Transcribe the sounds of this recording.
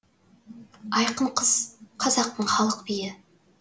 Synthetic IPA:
ɑjqəɴqʰəz̥qʰɑzɑq̚t̪əɴχɑlˠəqbijɪ

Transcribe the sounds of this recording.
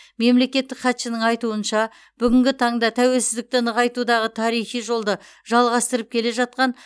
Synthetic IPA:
me̞mle̞kʲe̞t̪ːɪkχɑt̪ʃɪnɪŋɑjt̪uənʃɑ | b̥ʏɡʲɪŋɡʲɪt̪ʰɑɴd̪ɑt̪ʰæwe̞lsɪzd̪ɪk̚t̪ɪnəʁɑjt̪ud̪ɑʁət̪ʰɑɾijχijʒo̞lˠd̪ə | ʒ̥ɑlˠʁɑst̪əɾəp̚kʲʰe̞le̞ʒɑt̪̚qɑn

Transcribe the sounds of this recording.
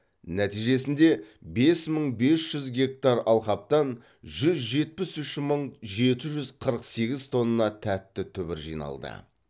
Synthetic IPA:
næt̪ijʒe̞sɪnd̪e̞be̞sməɴbe̞sʒ̥ʏzɡʲe̞k̚t̪aɾɑlˠqɑp̚t̪ɑn | ʒʏzʒe̞t̪̚pɪsʏʃməɴʒe̞t̪ɪʒʏzqʰəɾəqse̞ɡʲɪzt̪ʰo̞nːəːɑt̪ʰæt̪ːɪt̪ʰʏbɪɾʒḭjnɑ̰lˠd̪ə̰

